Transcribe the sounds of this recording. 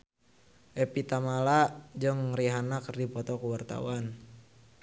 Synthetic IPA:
ʔɛpit̪amalad͡ʒɨŋɾiɦanakərdipɔt̪ɔkuwart̪a̰w̰an

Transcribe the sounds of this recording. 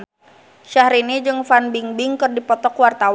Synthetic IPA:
ʃahɾinid͡ʒɨŋfanbiŋbiŋkɨrdipɔt̪ɔkwart̪aw

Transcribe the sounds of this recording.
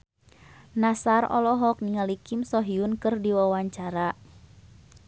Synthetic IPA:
nasarɔ̰lɔɦɔk̚niŋalikɪmsɔɦiunkɨrdiwawaɲt͡ʃaɾa

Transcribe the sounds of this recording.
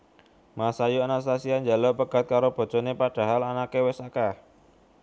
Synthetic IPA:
masajuanas̬asiand͡ʒa̤lɔpəɡ̥a̤t̪̚kaɾob̥o̤̥d͡ʒ̥ɔnepad̥a̤ɦalanakewɛsaka

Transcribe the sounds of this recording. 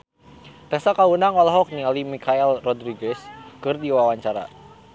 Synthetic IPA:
t̪ɛsakaunaŋɔlaɦɔk̚nialimikʰaɛlrɔdɾiɡɛskɨrdiwawaɲt͡ʃaɾa̰

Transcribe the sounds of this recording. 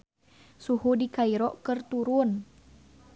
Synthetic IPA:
suhudikaiɾɔʔkərt̪uɾun

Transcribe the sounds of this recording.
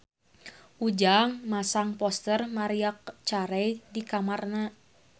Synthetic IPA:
ʔud͡ʒaŋmasaŋpɔst̪ərmaɾiak̚t͡ʃaɾɛjdikamarna

